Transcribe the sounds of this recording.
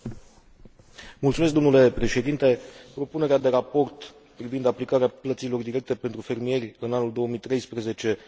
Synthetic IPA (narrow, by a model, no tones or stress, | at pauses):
mult̪sumes̬k̚d̪omnule̞pɾe̞ʃe̞d̪int̪e̞pɾo̞pune̞ɾead̪e̞ɾapo̞rt̪ | pɾivind̪aplikaɾeaplət̪silo̞rd̪iɾe̞k̚t̪e̞pent̪ɾufe̞rmije̞rʲɨnanuld̪o̞oəmit̪ɾe̞jspɾeze̞t͡ʃe̞